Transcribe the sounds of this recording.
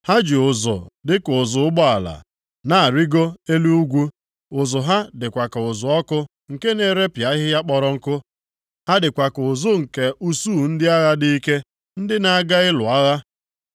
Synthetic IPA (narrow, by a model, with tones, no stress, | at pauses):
ha˦d͡ʒi˨ʊ˨zʊ̰˨dɪ˦kʊ˨zʊ˨ʊ˦ɡ͡bɔ˦a˨la̰˨ | na˨a˨ɾi˦ɡo˦e˦lu˦u˦ɡʷu˦ | ʊ˨zʊ˨ɦa˦dɪ˨kʷa˨ka˨ʊ˨zʊ˨ɔ˦kʊ˦ | ŋ̩˨ke˦ne˨ɾe˦pja˨˦ɦɪ˦ja˦k͡pɔ˨ɾɔ˦ŋ̩˦kʊ˦ | ha˦dɪ˨kʷa˨kʊ˨zʊ˦ŋ̩˨ke˨ʔu˦su˦˨n̩˦dɪ˦a˦ɣa˦dɪ˦i˦ke˦ | n̩˦dɪ˦na˨a˨ɡa˦ɪ˦lʊ˨a˦ɣa˦